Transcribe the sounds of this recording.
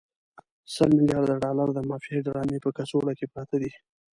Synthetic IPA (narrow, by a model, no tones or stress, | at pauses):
səlmɪljɑɾd̪aɖɑlaɾd̪əmɑfieɖɾɑmepəkasoɽakepɾɑt̪ad̪i